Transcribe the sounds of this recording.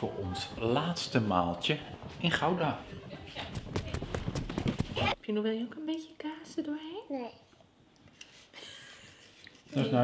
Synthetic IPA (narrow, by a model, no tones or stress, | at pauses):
foːɹɔnslaːtstəma̰ːlˠtjəɪnχawda | ɛpjənuʋɛlˠjəokənbejtjəkaːsədoej | dɔsna